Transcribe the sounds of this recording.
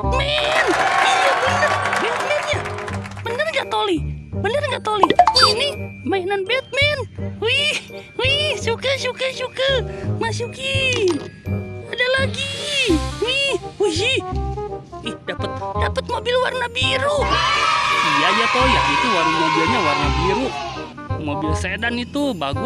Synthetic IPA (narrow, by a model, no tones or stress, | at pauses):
mɛnijabənərbɛt̪̚mɛnɲabənərŋɡaʔt̪olibənərŋɡaʔt̪olinimainanbɛt̪̚mɛnwiwisukəʃukəsukəmasuki | adalaɡi | wiuji | ihdapət̪̚dapət̪̚mobilwa̰rnabiɾu | ijajat̪ɔjait̪uwarnamobilɲawarnabiɾu | mobilsedanit̪ubaɡu